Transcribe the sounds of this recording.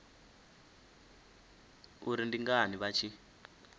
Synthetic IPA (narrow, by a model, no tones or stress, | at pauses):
uɾindiŋɡaniβat͡ʃʰi